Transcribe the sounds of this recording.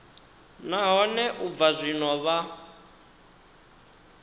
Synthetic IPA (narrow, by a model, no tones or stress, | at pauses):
naɦɔnɛʔub̪vazʷinɔβa